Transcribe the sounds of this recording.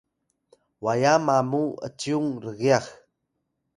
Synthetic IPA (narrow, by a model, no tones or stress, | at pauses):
wajamamuə̰t͡sjuŋɾəɣiax